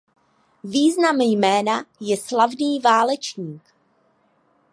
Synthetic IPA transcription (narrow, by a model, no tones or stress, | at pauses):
viːznamjmɛːnajɛslavniːvaːlɛt͡ʃɲiːk